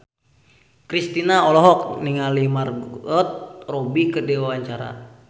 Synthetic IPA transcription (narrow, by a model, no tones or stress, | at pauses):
kɾist̪inaɔlɔɦɔk̚niŋalimarɡɔt̪̚robikədewawaɲt͡ʃaɾa̰